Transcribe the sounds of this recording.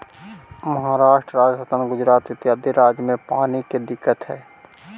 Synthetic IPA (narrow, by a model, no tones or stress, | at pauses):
məɦaɾaːʃʈɾəɾaːd͡ʒəsət̪ənɡʊd͡ʒɾaːt̪ɪt̪jaːd̪iɾaːd͡ʒjəmẽpaːniked̪ɪkːət̪ɦɛː